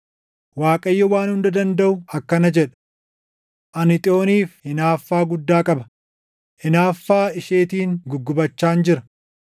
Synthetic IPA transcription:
waːkʼɐjːɔwaːnhʊnd̪ɐd̪ɐnd̪ɐʔʊɐkːɐnɐd͡ʒɛᶑɐ̥ | ʔɐnɪt̪ʼɪo̞ːniːfhɪnaːfːaːɡʊd̪ːaːkʼɐbɐ | ʔɪnaːfːaːɪʃeːt̪iːŋɡʊɡːʊbɐt͡ʃːaːnd͡ʒɪɾɐ

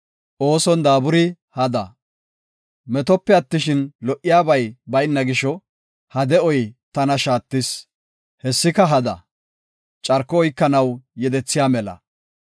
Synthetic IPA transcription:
ʔo̞ːsɔnd̪aːbʊɾɪ | hɐd̪ɐ | mɛt̪ɔpːɛɐt̪ːɪʃɪnlɔʔːɪjaːbɐjbɐjnːɐɡɪʃɔ | hɐd̪ɛɔjt̪ɐnɐʃaːt̪ːɪs | hɛsːɪkɐɦɐd̪ɐ | t͡ʃʼɐɾkːɔːjkːɐnɐwjɛd̪ɛt͡sːɪjaːmɛlɐ̰

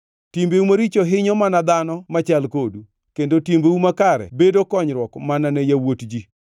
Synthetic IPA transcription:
timbeumaɾit͡ʃoɦɪɲɔmanad̪anɔmat͡ʃalkodu | kendotimbewumakaɾɛ̰bedokɔɲɾwɔkmananɛjawotd͡ʒi

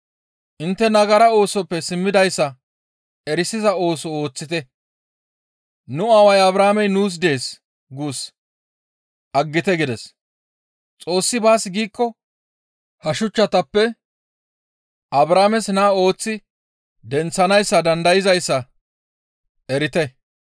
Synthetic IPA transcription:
ʔɪnt̪ːɛnɐɡɐɾɐo̞ːsɔpːɛsɪmːɪd̪ɐjsːɐ | ɛɾɪsɪzɐo̞ːsɔo̞ːt͡sːɪt̪ɛ | nʊɐwɐjɐbɾaːmɛjnuːs̬d̪e̞ːs | ɡuːs | ʔɐɡːɪt̪ɛɡɪd̪ɛs | t͡sʼo̞ːsːɪbaːsɡiːkːɔ | hɐʃʊt͡ʃːɐt̪ɐpːɛ | ʔɐbɾaːmɛsnaːo̞ːt͡sːɪ | d̪ɛnt͡sːɐnɐjsːɐd̪ɐnd̪ɐjɪzɐjsːɐ | ɛɾɪt̪ɛ

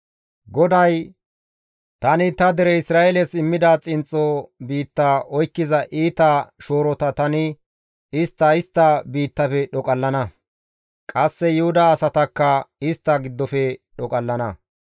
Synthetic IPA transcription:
ɡɔd̪ɐj | t̪ɐnɪt̪ɐd̪ɛɾɛɪsɾaːelɛsɪmːɪd̪at͡sʼɪnt͡sʼːɔbiːt̪ːaːʔɔjkːɪzɐʔiːt̪ɐʃoːɾɔt̪ɐt̪ɐnɪ | ɪst̪ːɐɪst̪ːɐbiːt̪ːɐfɛɗɔkʼɐlːɐnɐ | kʼɐsːɛjʊhʊd̪aːsɐt̪ɐkːɐɪst̪ːɐɡɪd̪ːɔfɛɗɔkʼɐlːɐnɐ

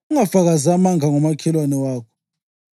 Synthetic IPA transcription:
ŋafaɣazamaŋʱaŋɔmakʰɛlwanɛwaːkʰɔ̥

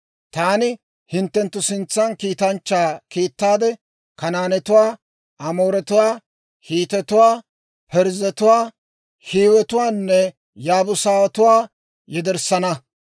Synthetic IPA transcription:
t̪aːnɪ | hɪnt̪ːɛnt̪ːʊsɪnt͡sːɐnkiːt̪ɐnt͡ʃːaːkiːt̪ːaːd̪ɛ | kɐnaːnɛt̪ʊwaː | ʔɐmo̞ːɾɛt̪ʊwaː | hiːt̪ɛt̪ʊwaː | pɛɾzɛt̪ʊwaː | hiːwɛt̪ʊwaːnːɛ | jaːbʊsaːwɐt̪ʊwaː | jɛd̪ɛɾsɐnɐ

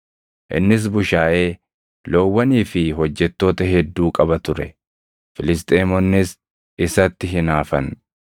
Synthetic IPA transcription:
ʔɪ̰nːɪs̬bʊʃaːʔe̞ː | lowːɐniːfɪɦɔd͡ʒːɛt̪ːo̞ːt̪ɐɦɛd̪ːuːkʼɐbɐt̪ʊɾɛ | fɪlɪs̬t̪ʼeːmɔnːɪs | ɪsɐt̪ːɪɦɪnaːfɐn

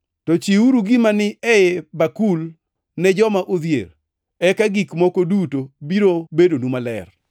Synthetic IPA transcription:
tɔt͡ʃiuɾuɡimanɪɛjɛbakul | nɛd͡ʒɔmaʔod̪jḛɾ | ɛkaɡikmɔkodutobiɾobedonumalɛ̰r

